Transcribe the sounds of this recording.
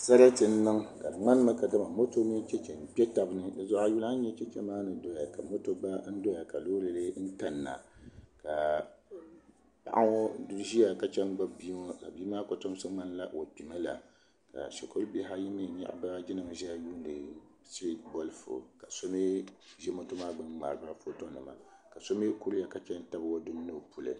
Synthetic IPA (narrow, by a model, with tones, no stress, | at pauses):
sa˦ɾa˦tɨ˨n̩˦nɨ˦ŋka˨ŋ͡ma˦n˦ma˦ka˨da˦ma˨mo˦to˦mi˦n˦t͡ʃɛ˦t͡ʃɛ˨m˨pʲɛ˦ta˨bɨ˦nɨ˦dɨ˦zɔ˦ʔa˦ju˦la˦n̩˦ɲɛ˦t͡ʃɛ˦t͡ʃɛ˦maː˦nɨ˨dɔ˦ja˨ka˨mo˦to˦ba˦n̩˦dɔ˦ja˨ka˨loː˦lɨ˨lɨ˦n̩˦ta˨nːa̰˨ka˨ | pa̰˨ʔa˦ŋɔ˦du˦ɾʒi˦ja˨ka˦t͡ʃɛ˦nɡ͡ba˦bi˦mɔ˦ka̰˨biː˦maː˦ko˨to˦m˦sɨ˦ŋ͡ma˦nla˦ʔo̰˨pi˨ma˦la̰˨ | ka̰˨ʃɛ˨kʰo˦lbi˦ɦa˦ji˦mɨ˦˨ɲa̰˦ʔba˦a˦d͡ʒɪ˦nɨ˨m˦ʒɛ˦ja˦juː˦n˦dɨ˨ | si˦bɔ˦lfo̰˨ka˨so˦mi˦ʒɛ˦mo˦to˦maː˦ɡ͡bɨ˦mŋ͡ma̰˨ɾɨ˨ba˦ɾfo˦to˦nɨ˨ma̰˨ka˨so˦mɪ˦ku˦lja˨ka˦t͡ʃɛ˦n˦ta˦bwɔ˦dʊ˦nː˦ɨ˦˨pu˨lɨ̰˨